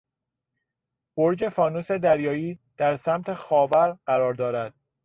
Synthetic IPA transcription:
b̥oɾd͡ʒe̞fɒːnuːse̞d̪æɾjɒːiːd̪̥æɾsæmt̪ʰe̞xɒːvæɾɢ̥æɾɒːɾd̪ɒːɾæd̪̥̚

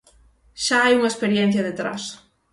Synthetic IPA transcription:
ʃaajuŋɐespeɾjen̟θjɐðet̪ɾa̰s

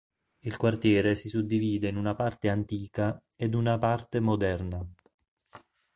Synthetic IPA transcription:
ilkwart̪jɛːɾesisud̪ːiviːd̪einunapart̪eant̪iːka | ed̪unapart̪emod̪ɛrna

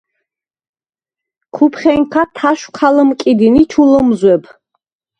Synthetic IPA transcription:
kʰupʰχʲɛŋkʰat̪ʰaʃqʰaləmkʼid̪init͡ʃʰuləmzwɛpʰ

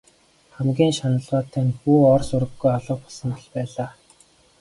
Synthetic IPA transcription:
χæmɡʲiːnʃanə̆ɮʁɔːt̪ʰæːnpuːɔrsuɾɘ̆ɡːujaɮʊːpɔ̥ɮsə̆mɔɮpæːɮaː

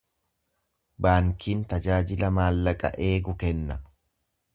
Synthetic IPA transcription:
baːŋkʰiːnt̪ɐd͡ʒaːd͡ʒɪlɐmaːlːɐkʼɐ̰ʔe̞ːɡʊkɛnːɐ

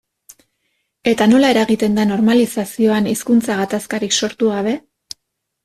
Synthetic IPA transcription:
e̞t̪ano̞lae̞ɾaɣit̪e̞nd̪ano̞ɾmalisasio̞aniskunt͡saɣ̞at̪askaɾikso̞ɾt̪uɣaβ̞e̞

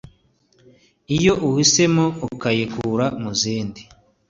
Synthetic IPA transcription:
ijo̞ʔuhise̞moukajekuːɾamuziːndi

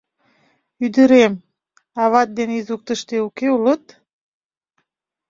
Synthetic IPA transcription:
yd̪əɾem | ɑβɑt̪̚d̪enizuk̚t̪əʃt̪eukeulət̪

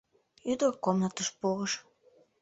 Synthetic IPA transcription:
yd̪ərkomnət̪əʃpuɣəʃ

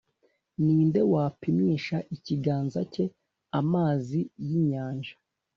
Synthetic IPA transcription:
niːnde̞waːpimiːʃaʔiciɡaːnzace̞ | amaːzijiɲaːnʒa

